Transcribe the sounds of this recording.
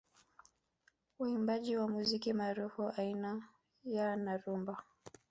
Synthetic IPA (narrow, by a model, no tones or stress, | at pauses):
uimbaʄiwamuzikimaːɾufuaina | janaɾumba